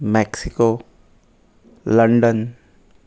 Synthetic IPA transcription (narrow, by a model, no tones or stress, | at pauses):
mɛksiko | ləɳɖən